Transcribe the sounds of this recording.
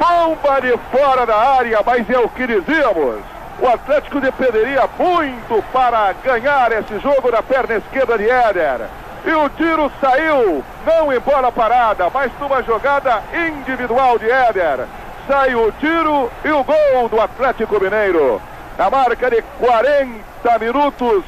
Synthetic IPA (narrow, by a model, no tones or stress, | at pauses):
bõbɐd͡ʒɪfɔɾɐd̪ɐaɾjɐmɐzɛʊkɪd͡ʒiziɐmʊ̰s | ʊ̰at̪lɛt͡ʃɪ̥kʊd̪epẽnd̪eɾiɐmũj̃t̪ʊpaɾɐɡɐ̃ɲaɾesɪʒoɡʊd̪ɐpɛɾnɐɪskeɾd̪ɐdɪɛd̪eɾ | ɪʊt̪iɾʊsaiw | nɐ̃w̃ẽj̃bɔɾɐpaɾad̪ɐmazd̪ũmɐʒoɡad̪ɐĩnd͡ʒivid̪uawd̪ɪɛd̪eɾ | saiʊt̪iɾʊɪʊɡowd̪ʊat̪lɛt͡ʃikʊmĩnejɾʊ | nɐmaɾkɐd̪ɪkwaɾẽn | t̪ɐminut̪ʊs